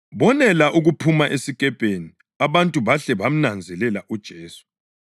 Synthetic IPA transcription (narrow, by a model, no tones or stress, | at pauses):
βɔnɛlaʔuɣupʰumaʔesikʼɛb̥ʱeni | aβantʼuβaɬɛβam̩nand͡zʱɛlɛlaʔud̥ʒ̥ʱeːsu̥